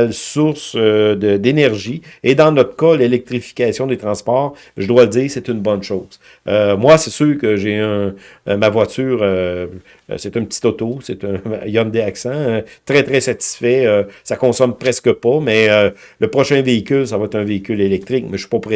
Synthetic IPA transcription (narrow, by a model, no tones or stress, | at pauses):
lsʊʁsød̪əd̪enɛʁʒied̪ɑ̃nɔt̪ʁə̥kalelɛk̚t̪ʁifi̥kʲasjɔ̃d̪et̪ʁɑ̃spɔːʁ | ʒəd̪waləd͡ziːʁset̪ynbɔnʃoːz̥ | ømwasɛsyːʁkəʒeœ̃mavwat͡syːʁø | set̪ɛ̃pə̥t͡s̪i̥t̪ɔt̪oset̪ɛ̃jɔmd̪eaksãt̪ʁɛt̪ʁɛsat̪i̥sfɛøsakɔ̃sɔmpʁɛskəpamɛø | ləpʁɔʃɛ̃veikʲʏlsavaɛt̪ɛ̃veikʲʏlelɛk̚t̪ʁɪk̚mɛ̥i̥ppʁɛ